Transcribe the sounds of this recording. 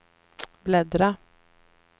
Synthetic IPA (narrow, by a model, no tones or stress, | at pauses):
blɛd̪ɾa